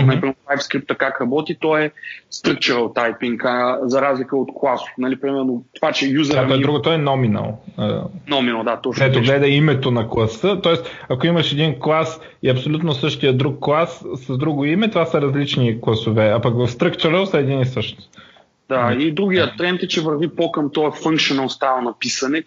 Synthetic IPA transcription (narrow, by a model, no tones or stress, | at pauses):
mnɐlipɾimɛlˠajfskɾip̚t̪əkakɾɐbɔt̪it̪ɔɛst̪ɾək̚t͡ʃɛɾəlˠt̪ajpiŋkzɐɾazlikəot̪klˠasʊ̥nɐlipɾimɛɾnot̪ovat͡ʃɛjuzəaɔɛɾuɡot̪ɔɛnɔminɐ̰lˠə̰nɔminɐlˠd̪at̪ɔt͡ʃk̪ɛt̪oɡlɛd̪ɐimɛt̪onɐklˠɐsɤt̪ɔɛsɐkoimɐʃɛd̪inklˠas | iɐpsolʲut̪nosɤʃt̪ijəd̪ɾukːlˠasːɐzd̪ɾuɡoimɛt̪ovasəɾɐzlit͡ʃniklˠɐsovɛapɐkvɐfst̪ɾəkt͡ʃɛɾəlˠsɐɛd̪inisɤʃtnost̪ | d̪aid̪ɾuɡʲijət̪ɾɛnt̪ɛt͡ʃɛvəɾvipokəmt̪ɔɛfəŋkʃionɐlˠst̪ajlˠnɐpisɐnɛ